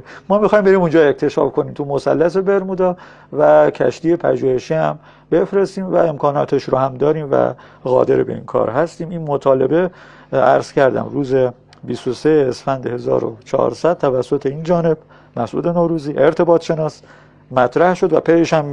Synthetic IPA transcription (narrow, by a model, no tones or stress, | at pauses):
mɒːmixɒːjimbeɾiːmund͡ʒɒːe̞xt̪ʰe̞ʃɒ̰fkʰo̞niːmt̪ʰumo̞sæ̰lːæs̬ebe̞ɾmuːd̪ɒː | væcʰæ̰ʃt̪iːje̞pʰæ̰ʒuːhe̞ʃiːhæm | be̞fɾe̞st̪iːmvæ̰e̞mkʰɒːnɒ̰ːt̪ʰeʃɾohæmd̪ɒːɾiːmvæ̰ɣɒ̰ːd̪e̞ɾebe̞̰ḭːnkʰɒ̰ːɾɦæst̪iːmiːnmot̪ʰɒːle̞̰be̞ | æɾz̥cæɾd̪æ̰mɾuːze | bist̪oseːsfænd̪ehe̞zɒ̰ːɾo̰t͡ʃʰɒ̰ːɾsæd̪̚t̪ʰːævæsːot̪ʰe̞ind͡ʒɒːne̞b̥ | mæsʔṵːd̪e̞noːɾuːziːʔe̞ɾt̪ʰe̞bɒːt̪ʰʃe̞nɒːs | mæt̪ʰɾæhʃo̞d̪væ̰pʰejeʃhæm